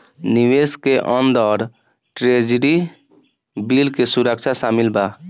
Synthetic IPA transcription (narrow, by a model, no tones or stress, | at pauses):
niʋeskeʔə̃nd̪ɔːɾ | ʈɾed͡ʒɾi | bilkesuɾək̚t͡ʃʰasaːmilba